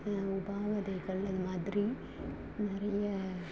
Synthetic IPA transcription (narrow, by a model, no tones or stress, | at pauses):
ʊbaːʋɐðɐɪɣɐɭɐðɯmaːðɾi | nɪɾɐjɐ